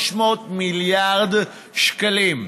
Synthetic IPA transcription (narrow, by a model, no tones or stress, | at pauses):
ʃmot̪miljaʁd̪ | ʃkalim